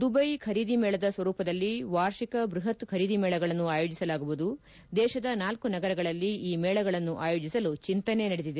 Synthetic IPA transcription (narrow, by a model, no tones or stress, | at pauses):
d̪ubɐjkʰɐɾiːd̪imɛːɭɐd̪ɐsʋɐɾuːpɐd̪ɐlːiʋaːɾʃikɐbɾuɦɐt̪kʰɐɾiːd̪imɛːɭɐɡɐɭɐnːuaːjo̞ːd͡ʒisɐlaːɡuʋud̪u | d̪ɛːʃɐd̪ɐnaːlkunɐɡɐɾɐɡɐɭɐlːiiːmɛːɭɐɡɐɭɐnːuʔa̰ːjo̞ːd͡ʒisɐlut͡ʃint̪ɐne̞nɐɽed̪id̪e